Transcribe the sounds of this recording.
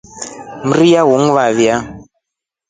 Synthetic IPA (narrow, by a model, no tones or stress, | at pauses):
m̩rijaɦuŋβaβja